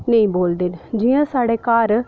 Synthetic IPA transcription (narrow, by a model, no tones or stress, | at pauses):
nəĩːboːld̪eːnd͡ʒiːãːsaːɽeːkaːɾ